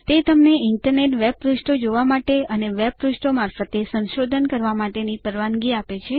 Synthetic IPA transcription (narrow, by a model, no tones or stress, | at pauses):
t̪et̪əmneɪɳʈəɾneʈʋeb̚ɾuʃʈod͡ʒoʋamaʈeəneʋeb̚ɾʊʃʈomaɾfət̪esə̃nʃod̪ʱənkəɾʋamaʈenipəɾʋanɡiapet͡ʃʰe